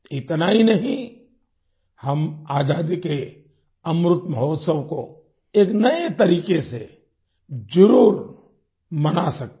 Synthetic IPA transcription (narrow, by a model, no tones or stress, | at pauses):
ɪt̪naɦinɐɦĩ | hɐmaːd͡ʒaːd̪ike | ɐmɾʊt̪məɦoːt̪səwko | eːknɐet̪ɐɾiːkese | d͡ʒəɾuːɾ | mɐnasɐk̚t̪